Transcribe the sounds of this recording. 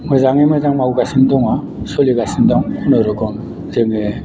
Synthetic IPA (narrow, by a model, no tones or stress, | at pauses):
mɯzaŋemɯzaŋmawɡasindɔŋa | soliɡasindɔŋkunɯɾɯɡɯŋ | zɯŋe